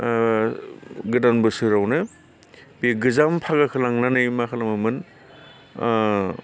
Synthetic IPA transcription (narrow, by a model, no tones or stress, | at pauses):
ɡɯdanbɯsɯɾawnɯ | beɡɯzampʰaɡakʰɯlaŋnanɯjmakʰɯlamɯmɯn